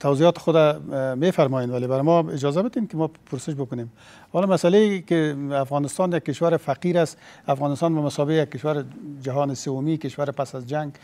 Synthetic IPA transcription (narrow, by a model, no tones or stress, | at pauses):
t̪ʰawzijɔt̪ɪ̥xʊd̪amefaɾmɔjenwalebaɾɪmɔɪd͡ʒɒzabɪt̪emkɪmɔpʰʊɾsɪʃ̬bʊkʊnem | hɔlɔmasalekɪafɣɔnɪst̪ɑnjak̚ːɪʃwaɾɪfaqiɾasafɣɔnɪst̪ɑːnbamasɔbejak̚ːɪʃwaɾɪd͡ʒaɦɔːnɪsewʊmikɪʃwaɾɪpasazd͡ʒaŋɡ̚